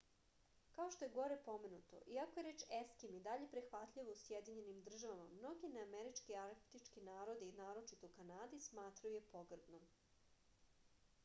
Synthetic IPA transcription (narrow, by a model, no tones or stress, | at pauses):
kaoʃt̪o̞jeɡo̞ɾepo̞menut̪o̞̰ʔiakojeɾeːt͡ʃeskimid̪aʎe̞pɾixʋat̪ʎʲiʋousjed̪iɲenimd̪r̩ʒaʋama̰mno̞ɡineameɾit͡ʃkiaɾt̪it͡ʃkinaːɾo̞d̪iinaːɾo̞t͡ʃit̪okanaːd̪ismaːt̪ɾajujepoɡr̩d̪nom